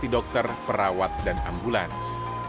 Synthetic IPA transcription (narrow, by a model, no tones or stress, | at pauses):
idɔk̚t̪ərpəɾawat̪̚dana̰mbulans